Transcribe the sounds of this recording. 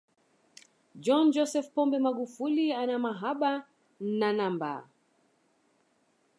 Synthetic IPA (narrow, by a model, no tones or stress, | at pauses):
d͡ʒɔnd͡ʒɔsɛfpɔmbɛmaɡufulianamaɦaɓa | nanamba̰